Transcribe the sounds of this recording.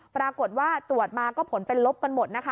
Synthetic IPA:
pɾaː˧ko˨˩t̪̚waː˥˩t̪ɾu˨˩ət̪̚maː˧kɔː˥˩pʰo˩˦npe˧nlo˦˥p̚ka˧nmo˨˩t̪̚na˦˥kʰa˦

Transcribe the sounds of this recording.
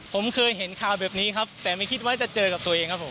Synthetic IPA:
pʰo˩˦mkʰɤː˧jɦe˩˦nkʰaː˨˩wbɛː˨˩p̚niː˦˥kʰa˦˥p̚t̪ɛː˨˩ma˥˩jkʰi˦˥t̪̚waː˦˥˩t͡ɕa˨˩t͡ɕɤː˧ka˨˩p̚t̪u˧ɐʔeː˧ŋkʰa˦˥pʰo˩˦m

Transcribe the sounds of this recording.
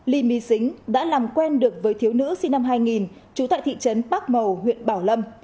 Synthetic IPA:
li˨˩mi˨˦sï˨˦ŋ̟ɗa̰ː˧˥laː˨˩mkwɛ˧nɗɨ˨˩ək̚vəː˨˦jt̪ʰi˨˦əwnɨ̰˧˥si˧na˧mɦaː˧jŋi˨˩n | t͡ɕu˨˦t̪a̰˧˨jt̪ʰḭ˧˨t͡ɕə˨˦nɓaː˦˥k̚mə˨˩whwḭ˧˨ənɓaː˧˩wlə˧m

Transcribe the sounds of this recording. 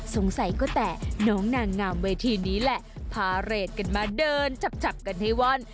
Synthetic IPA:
so˩˦ŋsa˨˩˦jkɔː˥˩t̪ɛː˨˩nɔː˦˥ŋnaː˧˩ŋːaː˧˩mweː˧t̪ʰiː˧niː˦˥lɛ˨˩ʔpʰaː˧ɾeː˨˩t̪̚ka˧nmaː˧dɤː˧nt͡ɕʰa˨˩p̚t͡ɕʰa˨˩p̚ka˧nha˥˩jwɔ˦˥˨n

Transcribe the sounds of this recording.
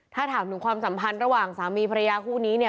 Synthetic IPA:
t̪ʰaː˥˩t̪ʰaː˩˦mnɯ˨˩˦ŋkʰwaː˧msa˩˦mpʰa˧nɾa˧waː˨˩ŋsaː˩˦miː˧pʰɾa˧jaː˧kʰuː˥˩niː˦˥ni˥˩

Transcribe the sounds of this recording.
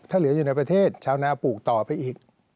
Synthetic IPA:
t̪ʰaː˥˩lɯ˩˦ɐjuː˨˩na˧jpɾa˧t̪ʰeː˥˩t̪̚t͡ɕʰaː˧˥wnaː˧˩puː˨˩k̚t̪ɔː˨˩pa˧jʔiː˨˩k̚

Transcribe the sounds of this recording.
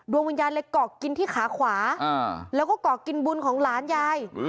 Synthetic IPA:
du˧əŋwi˧njaː˧nle˧kɔː˨˩ki˧nt̪ʰiː˥˩xʰaː˩˦kʰwaː˩˦˧lɛ˦˥wkɔː˥˩kɔː˨˩ki˧nbu˧nkʰɔː˩˦ŋlaː˩˦njaː˧j

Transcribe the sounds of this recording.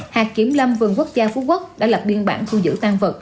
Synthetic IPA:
haː˨˩kkːi˧˩˦əmlə˧mvɨ˨˩əŋku˦˥ək̚zaː˧fu˧˦kwk̚ɗa̰ː˧˥la˨˩p̚ɓi˧ənɓaː˧˩nt̪ʰu˧zɨ̰˧˥t̪aː˧ŋvə˨˩t̚

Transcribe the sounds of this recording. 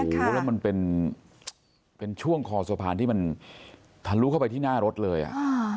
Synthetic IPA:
lɛ˦˥˩wma˧npe˧n | pe˧nt͡ɕʰu˥˩əŋkʰɔː˧su˧˩ɐ˦pʰaː˧ni˥˩ma˧n | t̪ʰa˧˩ɾluː˦˥kʰa˥˩wpa˧jt̪ʰiː˥˩naː˥˩ɾo˦˥t̪̚lɤː˧jʔa̰˨˩ʔ

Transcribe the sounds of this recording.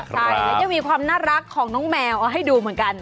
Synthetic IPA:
a˥˩jaː˦˥˩ja˧ŋmiː˧kʰwaː˧mnaː˥˩ɾa˦˥kʰːɔː˩˦ŋnɔː˦˥ŋmɛː˧wʔa˧ɦa˥˩jduː˧mɯ˩˦nka˧n

